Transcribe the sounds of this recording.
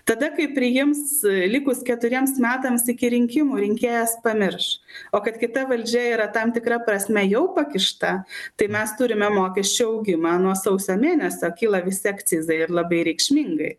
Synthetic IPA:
t̪ɐd̪ɐkɐɪpʲɾʲɪjɪmslʲɪkʊskʲɛt̪ʊɾʲiɛmsmʲæːt̪ɐmsɪkʲɪɾʲɪŋʲkʲɪmuːɾʲɪŋʲkʲeːjɛspɐmʲɪɾʃoːkɐt̪kʲɪt̪ɐʋɐlʲd͡ʒʲɛiːɾɐt̪ɐmt̪ʲɪkɾɐpɾɐsʲmʲɛjɛʊpɐkʲɪʃt̪ɐt̪ɐɪmʲɛst̪ʊɾʲɪmʲɛmoːkʲɛʃʲt͡ʃʲuɐʊɡʲɪmɑːnuɔsɐʊsʲoːmʲeːnʲɛsʲoːkʲiːlˠɐʋʲɪsʲɪɐkt͡s̪ʲɪzɐɪɪɾlˠɐbɐɪɾʲɛɪkʃʲmʲɪŋɡɐɪ

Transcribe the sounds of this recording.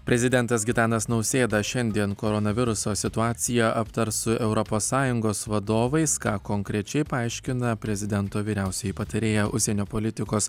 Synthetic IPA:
pʲɾʲɛzʲɪd̪ʲɛnt̪ɐsɡʲɪt̪ɑːnɐsnɒʊsʲeːd̪ɐʃʲɛnʲd̪ʲiɛnkoːɾɔnɐʋʲɪɾʊsoːsʲɪt̪ʊɑːt̪sʲɪjɛʔɐpt̪ɐɾsʊʔɛʊɾɔpoːsːɑːjʊŋɡoːsʋɐd̪oːʋɐɪskɑːkoːŋkɾʲɛt͡ʃʲɛɪpɐɐɪʃʲkʲɪnɐpʲɾʲɛzʲɪd̪ʲɛnt̪oːʋʲiːɾʲæˑʊsʲɛjɪpɐt̪ɐɾʲeːjɛʔʊʃʲsʲɛnʲoːpolʲɪt̪ʲɪkoːs

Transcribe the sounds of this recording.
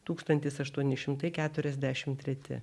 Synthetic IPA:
t̪uːkst̪ɐnʲt̪ʲɪsɐʃt̪uɔnʲɪʃʲɪmt̪ɐɪkʲæːt̪ʊɾʲɛzʲd̪ʲæʃʲɪmt̪ʲɾʲɛt̪ʲɪ̰

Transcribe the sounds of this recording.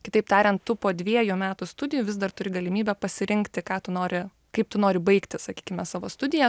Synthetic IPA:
kʲɪt̪ɐɪpt̪ɑːɾʲɛnt̪t̪ʊpoːd̪ʲʋʲiɛjʊmʲæːt̪ʊst̪ʊd̪ʲɪjʊːʋʲɪzd̪ɐrt̪ʊɾʲɪɡɐlʲɪmʲiːbʲɛpɐsʲɪɾʲɪŋkt̪ʲɪkɑːt̪ʊnoːɾʲɪ | kɐɪp̚t̪ʊnoːɾʲɪbɐɪkt̪ʲɪsɐkʲiːkʲɪmʲɛsɑːʋoːst̪ʊd̪ʲɪjɛ

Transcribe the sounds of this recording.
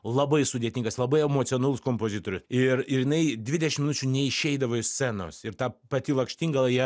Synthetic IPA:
lˠɐbɐɪsʊd̪ʲeɛt̪ʲiŋɡɐslˠɐbɐɪɛmoːt͡s̪ʲonuːlˠʊskoːmpoːzʲɪt̪oːɾʲʊsɪrɪɾjɪnɐɪd̪ʲʋʲɪdʲɛʃʲɪmʲɪnʊt͡ʃʲunʲɛɪʃʲɛɪd̪ɐʋoːɪsʲt͡ssʲɛno̰sɪɾt̪ɑːpɐt̪ʲɪlˠɐŋkʃʲt̪ʲiŋɡɐlˠɐjiɛ

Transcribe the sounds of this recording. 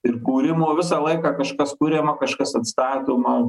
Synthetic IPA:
ɪrkuːɾʲɪmoːʋʲɪsɑːlˠɐɪkɑːkɐʃkɐskʊɾʲeːmɐkɐʃkɐsɐt̪st̪ɑːt̪ʲoːmɐ

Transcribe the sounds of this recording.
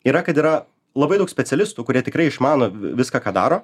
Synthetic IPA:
iːɾɐkɐt̪iːɾɐ | lˠɐbɐɪd̪ɐʊksʲpʲɛt̪t͡s̪ʲɛlʲɪst̪uːkʊɾʲiɛt̪ʲɪkɾɐɪɪʃmɑːnoːʋʲɪskaːkaːd̪ɑ̰ːɾoː

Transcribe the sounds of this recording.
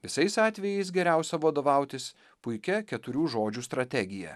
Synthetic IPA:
ʋʲɪsɐɪsɑːt̪ʲʋʲɛjɛɪs̬ɡʲɛɾʲæˑʊsʲɛʋɐd̪oːʋɐˑʊt̪ʲɪs | pʊɪkʲɛkʲɛt̪ʊɾʲuːʒoːd͡ʒʲuːst̪ɾɐt̪ʲɛɡʲɪjɛ̰

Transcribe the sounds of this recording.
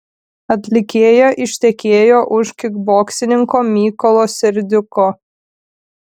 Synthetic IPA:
ɐt̪ʲlʲɪkʲeːjoːʔɪʃʲt̪ʲɛkʲeːjoːʔʊʃkʲɪɡboːksʲɪnʲɪŋkoːmʲiːkɔlˠoːsʲɛɾʲd̪ʲʊkoː

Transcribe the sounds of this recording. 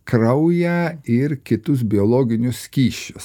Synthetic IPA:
kɾɐʊjæɪɾkʲɪt̪ʊs̬bʲɪoːlˠoːɡʲɪnʲʊsʲkʲiːʃʲʊ̥s

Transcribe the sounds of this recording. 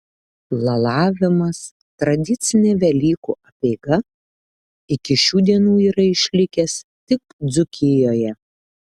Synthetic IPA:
lˠɐlˠɑːʋʲɪmɐs | t̪ɾɐd̪ʲɪt̪sʲɪnʲɛʋʲɛlʲiːkṵːɐpʲɛɪɡɐ | ɪkʲɪʃʲuːd̪ʲiɛnuːiːɾɐɪʃʲlʲɪkʲɛst̪ʲɪk̚d̪zʊkʲɪjoːjɛ

